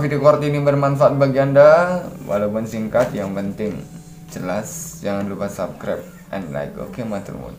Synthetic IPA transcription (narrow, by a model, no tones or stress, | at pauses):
fidiokɔrt̪inibərmanfaat̪̚baɡiandawʔa̰lawpʊnsiŋkat̪jaŋpənt̪ɪŋ | d͡ʒəlasd͡ʒaŋanlupasap̚kɾa̰p̚ | ʔɛ̰nla̰jko̰kemat̪ə̰lmṵn